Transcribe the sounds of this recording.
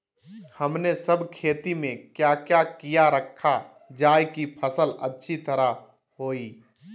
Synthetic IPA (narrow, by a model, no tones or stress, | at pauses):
hɐmnesəbkʰeːt̪imẽkjakjakijaɾəkʰːa | d͡ʒaːjkipʰəsələtːʃʰit̪əɾa | hoːi